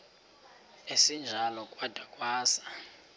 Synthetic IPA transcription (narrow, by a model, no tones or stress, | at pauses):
esind͡ʒʱalɔkʼwad̥ʱakʼwaːsḁ